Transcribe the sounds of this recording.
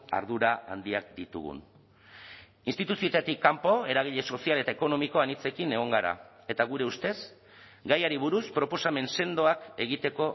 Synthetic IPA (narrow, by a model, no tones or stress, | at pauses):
a̰ɾð̞uɾaa̰nd̪iak̚d̪it̪ṵɣṵn | inst̪it̪usiot̪at̪ikːampo̞e̞ɾaɣ̞iʎe̞so̞siale̞t̪aeko̞no̞miko̞anit͡se̞kine̞ɣ̞o̞ŋɡaɾa̰ | e̞t̪aɣ̞uɾe̞ust̪e̞s | ɡajaɾiβuɾuspɾo̞po̞same̞nse̞nd̪o̞ake̞ɣ̞it̪e̞ko̞